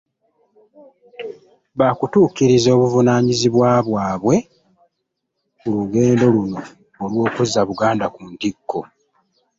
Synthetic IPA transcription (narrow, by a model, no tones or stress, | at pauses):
βakutuːkiɾizo̞ːβuvunaːɲiziβwaːβwaːβwe̞ | muluɡe̞ːndo̞luno̞ː | lwo̞ːkuzaβuɡaːndakuntikːo̞